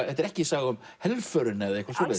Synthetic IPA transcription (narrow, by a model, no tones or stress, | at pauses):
θɛht̪ɛɾɛhcɪsaːɣʏm | hɛlvfœɾɪnɛðaihkvaɾsɔːlɪ